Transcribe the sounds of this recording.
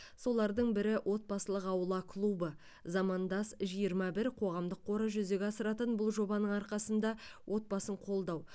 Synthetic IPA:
so̞lˠɑɾd̪əɴbɪɾɪwʔo̞t̪̚bɑsəlˠəqɑwəlˠɑkʰlˠubə | zɑmɑnd̪ɑsʒijəɾmɑbɪɾqʰo̞ʁɑmd̪əqʰːo̞ɾəʒʏze̞ɡʲɑsəɾɑt̪ənbʊlˠʒo̞bɑnəɴɑɾqɑsənd̪ɑwʔo̞t̪̚bɑsəɴqʰo̞lˠd̪ɑw

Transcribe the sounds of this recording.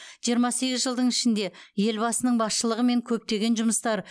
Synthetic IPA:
ʒ̥ijəɾmɑse̞ɡʲɪzʒəlˠd̪əɴɪʃɪnd̪e̞je̞lbɑsənəɴbɑsʃəlˠəʁəme̞ŋkʲʰɵp̚t̪e̞ɡʲe̞nʒʊməst̪ɑɾ

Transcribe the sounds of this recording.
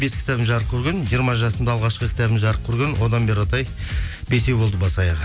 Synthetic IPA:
be̞skʰʲɪ̥t̪æbɪmʒɑɾəq̚kʲʰɵɾɡʲenʒijəɾmɑʒɑsəmd̪ɑlˠʁɑʃqəkʲʰɪ̥t̪æbɪnʒɑɾəq̚kʲʰɵɾɡʲenwʔo̞d̪ɑnbe̞ɾɑt̪ɑj | be̞se̞bolˠd̪əbɑsˠɑjəq

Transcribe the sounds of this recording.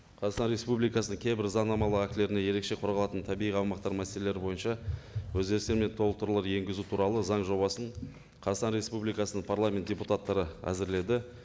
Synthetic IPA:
qʰɑzɑsɑnɾʲe̞spublijkɑsənəɴkʲʰe̞jbɪɾzɑɴnɑmɑlˠəæk̚t̪ɪle̞ɾɪne̞je̞ɾe̞kʃe̞qʰoɾʁɑlˠɑt̪ənt̪ʰæbiiɑwmɑqt̪ɑɾmæselele̞ɾɪbo̞jənʃɑwɵzɡʲe̞ɾɪst̪eɾme̞nt̪ʰolˠəq̚t̪ːəɾlˠɑɾje̞ŋɡʲɪzut̪ʰuɾɑlˠəzɑɴʒo̞bɑsəɴ | qʰɑzɑt̪ɑnɾʲe̞spublijkɑsənəɴpʰaɾlˠamʲe̞nt̪̚d̥ʲe̞put̪at̪ːɑɾəæ̰zɪɾle̞d̪ɪ

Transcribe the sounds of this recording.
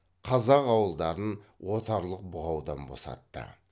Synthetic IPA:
qʰɑzɑqɑwəlˠd̪ɑɾənwʔo̞t̪ɑɾlˠəq̚bʊʁɑwd̪ɑnbo̞̰sɑ̰t̪ːə̰

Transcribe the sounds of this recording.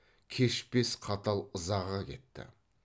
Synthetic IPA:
kʲʰe̞ʃpe̞sqʰɑt̪ɑlˠəzɑʁɑkʲʰe̞t̪ːɪ̰

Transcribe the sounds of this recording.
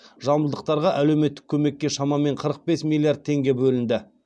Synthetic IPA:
ʒɑlˠməlˠd̪əq̚t̪ɑɾʁɑʔælewme̞t̪ːɪ̥kʲʰɵme̞kʲːe̞ʃɑmɑme̞ɴqʰəɾəq̚be̞smʲilʲˠːijard̪̚t̪ʰe̞ŋɡʲe̞bɵlɪnd̪ɪ

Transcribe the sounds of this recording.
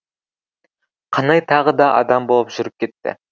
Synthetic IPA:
qʰɑnɑjt̪ʰɑʁəd̪ɑʔɑ̰d̪ɑmbolˠupʒ̥yɾyp̚kʲet̪ːɪ̰

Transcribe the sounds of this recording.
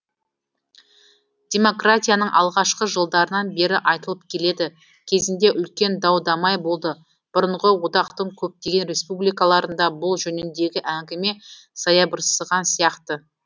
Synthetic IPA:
d̪̥ʲe̞mo̞krat̪ʲijanəɴʔɑ̰lˠʁɑʃqəʒəlˠd̪ɑɾənɑnbe̞ɾɪʔɑjt̪əlˠəp̚kʲʰe̞le̞d̪ɪ | kʲʰe̞zɪnd̪e̞ʔʏlkʲe̞nd̪ɑwd̪ɑmɑjbo̞lˠd̪ə | b̥ʊɾəɴʁəwot̪ɑqt̪əɴkʲʰɵp̚t̪e̞ɡʲe̞nɾe̞spublijkɑlˠɑɾənd̪ɑbʊlˠʒɵnɪnd̪e̞ɡʲɪʔæŋɡʲɪme̞ | sɑjɑbəɾsəʁɑnsijɑqt̪ə

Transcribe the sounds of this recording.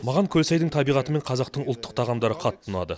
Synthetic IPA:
mɑʁɑŋkʲʰɵlsæjd̪ɪŋt̪ʰɑbijʁɑt̪əme̞ɴqʰɑzɑq̚t̪əɴʊlˠt̪ːə̥q̚t̪ʰɑʁɑmd̪ɑɾəqʰɑt̪ʰːənɑ̰d̪ə

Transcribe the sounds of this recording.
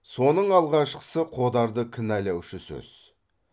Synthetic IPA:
so̞nəɴɑlˠʁɑʃqə̥səqʰo̞d̪ɑɾd̪əkʲʰɪnælæwʃɪsɵ̰z̥

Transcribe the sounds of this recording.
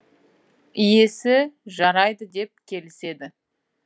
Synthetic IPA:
ijesɪʒɑɾɑjd̪əd̪e̞p̚kʲʰe̞lɪse̞d̪ɪ

